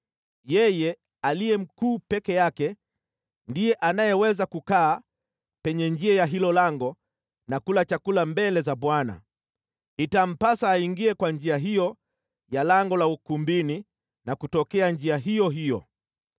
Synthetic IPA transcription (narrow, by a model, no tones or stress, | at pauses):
jɛjɛ | alijɛm̩kuːpɛkɛjakɛ | ndijɛʔanajɛwɛzakukaː | pɛɲɛɲd͡ʒiajaɦilɔlaŋɡɔ | nakulat͡ʃakulambɛlɛzabwana̰ | itam̩pasaːiŋɡiɛkwand͡ʒiaɦijɔ | jalaŋɡɔlaukumbini | nakutɔkɛand͡ʒiaɦijɔɦijɔ̰